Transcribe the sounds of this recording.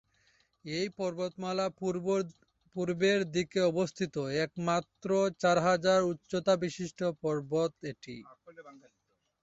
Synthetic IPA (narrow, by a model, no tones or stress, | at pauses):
ejpɔɾbot̪mala | puɾbeɾd̪ikeɔbost̪ʰit̪oɛkmat̪ːɾot͡ɕaɾɦad͡ʑaɾutːɕot̪abiʃiʃʈopɔɾbot̪eʈḭ